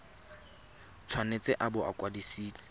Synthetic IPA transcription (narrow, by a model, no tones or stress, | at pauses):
t͡sʰwanet͡sʼɪʔabʊa̰kʼwadisiːt͡sʼɪ̥